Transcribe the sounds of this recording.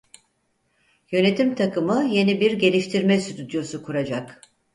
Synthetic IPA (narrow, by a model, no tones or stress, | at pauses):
jø̞ne̞t̪ʰimt̪ʰakɯmɯje̞nibiɾɟe̞lʲiʃt̪ʰiɾmɛsyt̪ʰyd̪jo̞sukʰuɾad͡ʒak